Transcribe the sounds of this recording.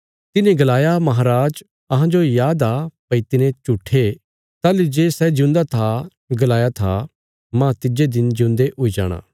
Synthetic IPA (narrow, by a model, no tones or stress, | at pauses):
t̪ɪnẽɡɐlaːjamɐɦaːɾaːd͡ʒ | ɐɦãd͡ʒojaːd̪apɐit̪ɪnẽt͡ʃuʈʰe | t̪aːlid͡ʒeːsɛd͡ʒɪʊ̃nd̪at̪ʰa | ɡɐlaːjat̪ʰa̰ | mãt̪ɪd͡ʒed̪ɪnd͡ʒjũːnd̪eʔʊid͡ʒa̰ːɽ̃ã̰ː